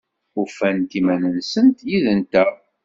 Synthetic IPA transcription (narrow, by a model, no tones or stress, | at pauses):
ufænt̪imænənsənt̪jiðənt̪æ